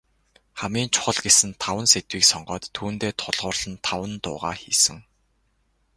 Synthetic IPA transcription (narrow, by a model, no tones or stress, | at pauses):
χamiːnt͡ɕʰʊ̥χə̆ɮɡesɘ̆nt̪ʰawə̆nset̪wiːksɔɴɢœːt̪ʰːuːnt̪eːt̪ʰʊɮʁʊːrɮ̥ə̆nt̪ʰawə̆nt̪ʊ̰ːʁa̰ːxiːsɘ̆ŋ